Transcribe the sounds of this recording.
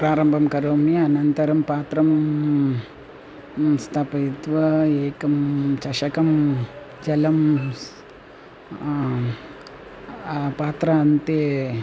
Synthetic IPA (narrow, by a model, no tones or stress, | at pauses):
pɾaːɾɐmbʱɐmkɐɾoːmiɐnɐnt̪ɐɾɐmpaːt̪ɾɐm | st̪ʰɐpɐjud̪ʋɐeːkɐmt͡ʃɐʂɐkɐm | d͡ʒɐlɐm | paːt̪ɾɐɐnt̪eː